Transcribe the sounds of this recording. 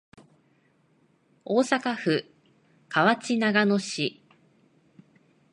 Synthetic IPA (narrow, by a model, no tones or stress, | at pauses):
o̞ːsakaɸɯ̟ | kaβat͡ɕinaɡano̞ɕi